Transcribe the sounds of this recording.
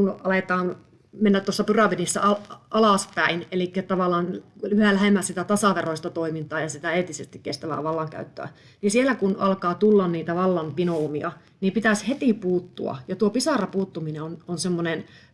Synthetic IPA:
unɑlet̪ɑːn | menːæt̪ːosːɑpyrɑʋinisːæ̰ɑɑlɑˑspæinelikːæt̪ɑʋɑˑlːˑɑːnlyhælæhemːæsit̪æt̪ɑsɑʋeroist̪ɑt̪oimint̪ɑːjɑsit̪æeːt̪isest̪ikkest̪æʋæ̰ʋɑlːɑŋkæ̰yt̪ːø̰æ̰ | nisielːækunɑlkɑːt̪ulːɑnniːt̪æʋɑlːɑmpinoumiɑ | nipit̪æshet̪iˑpuːt̪ːuɑ̰jɑt̪uopisɑrɑpuːt̪ːumineononsemːonen

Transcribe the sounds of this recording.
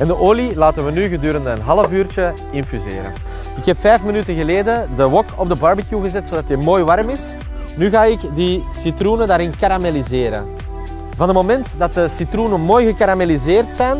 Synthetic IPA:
ɛndəʔoːlilaːtənʋənyɣədyːɾəndəənɦɑləvyːrt͡ʃə | ɪnfyzɪ̰ːɾə̰n | ɪkɦɛpfɛjfmənytəɣəleːdədəwɔkʰɔb̚dəbɑɹbikjuɣəzɛtsodɑtəmoːjʋɑrmɪs | nyɣaːɪkdisitrunədaːɾɪnkaɾamelizɪːɾə̰n | vɑnətmomɛntdɑt̚dəsitrunəmoːjɣəkaɾamelizɪːrtsɛjn

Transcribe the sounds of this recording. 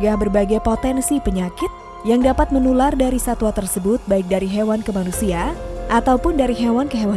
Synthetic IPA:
ɡahbərbaɡajpot̪ɛnsipəɲakɪt̪̚ | jaŋdapat̪̚mənulardaɾisat̪wat̪ərsəbʊt̪̚baɪk̚daɾiɦewankəmanusiaʔat̪awpʊndaɾiɦewankəɦewa

